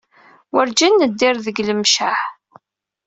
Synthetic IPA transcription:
wəɾd͡ʒænːəd̪ːɪɾðəɡləmʃaħ

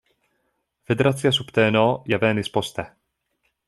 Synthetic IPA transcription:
fɛd̪ɛɾat̪t͡sɪjasupt̪ɛːnoːjavɛːnɪspost̪ɛ

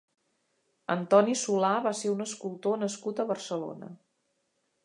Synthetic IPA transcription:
ə̰nt̪ɔnisulaβaseɾunəskulˠt̪onəskut̪əβərsəlo̰nə̰

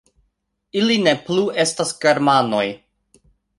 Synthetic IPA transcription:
iline̞plue̞stasɡe̞ɾmano̞j

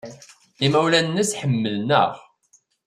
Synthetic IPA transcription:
imæwlænːəsħəmːəlnə̰ʁ

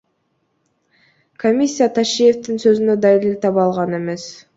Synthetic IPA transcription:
kʰomʲisʲːijat̪ʰaʃije̞ft̪insø̞zynød̪ɑjiɾilt̪ʰɑpɑlˠʁɑne̞me̞s

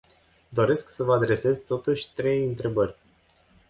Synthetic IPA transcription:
d̪o̞ɾe̞sksəvəad̪ɾe̞se̞zt̪o̞t̪uʃʲt̪ɾe̞jɨnt̪ɾe̞bərʲ

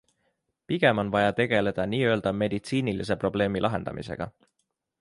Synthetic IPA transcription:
piɡ̥e̞mo̞nvɑjɑt̪e̞ɡ̥e̞le̞d̪̥ɑniːø̞ːld̪ɑme̞d̪̥it̪siːnilis̬e̞pro̞b̥le̞ːmilʔɑɦe̞nd̪ɑ̰mʔḭse̞̰ɡ̥ɑ̰

